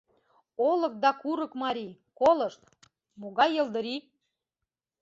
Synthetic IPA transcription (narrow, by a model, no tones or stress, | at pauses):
olə̆k̚d̪ɑkuɾəkmɑɾʲikolɤ̆ʃt̪ | moɣɑjə̆ld̪əɾi